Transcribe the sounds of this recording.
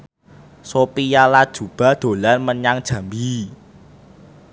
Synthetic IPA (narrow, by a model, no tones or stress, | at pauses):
sopijalad̥ʒ̥ṳb̥a̤d̪̥o̤lanməɲaŋd̥ʒ̥ä̤mbi